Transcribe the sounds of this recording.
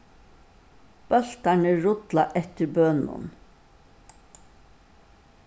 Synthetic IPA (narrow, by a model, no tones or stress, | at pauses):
b̥œlt̪æɳəɹʊd̪lɑʔɛt̪əɾbœnʊ̰n